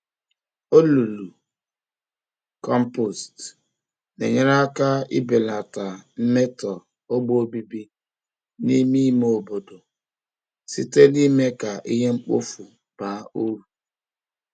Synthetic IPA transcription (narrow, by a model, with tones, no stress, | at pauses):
o˦lu˨lu˨ | kɔ˦m̩˦po˨st | nḛ˨ɲe˦ɾa˦ka˦ḭ˦be˨la˨ta˨m̩˦me˦tɔ˨ | o˦ɡ͡bo˦o˦bi˦bi˦ | ni˦mi˦mo˨bo˨do˨ | si˦te˦li˦me˦ka˨ʔi˦ɦe˦ŋ͡m̩˦k͡po̰˦fu˨ | b̥aː˨˦o˦u˨